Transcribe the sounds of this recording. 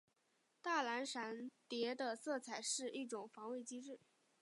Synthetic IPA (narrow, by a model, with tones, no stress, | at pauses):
t̪a˥˩la˧˥nʂa˧˥nt̪jɛ˧˥d̪ə˧sɤ˥˩t͡sʰa˨˩ɪʂɻ̩˥˧i˥˩ʈ͡ʂʊ˨˩ŋfɑ˧˥ŋwe˥˩ɪt͡ɕi˥ʈ͡ʂɻ̩˥˩